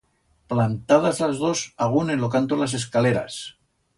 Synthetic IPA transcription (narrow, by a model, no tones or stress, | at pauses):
plant̪að̞azlazðo̞saɣ̞unenlo̞kant̪olas̬e̞s̬kale̞ɾa̰s